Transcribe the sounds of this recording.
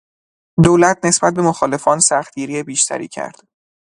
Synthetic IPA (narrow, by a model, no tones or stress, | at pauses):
d̪oːlæt̪̚ʰne̞sb̥æt̪̚be̞moxɒːle̞fɒːnsæxt̪̚ɡiːɾiebiːʃt̪ʰæ̰ɾḭːcʰæ̰ɾd̪̥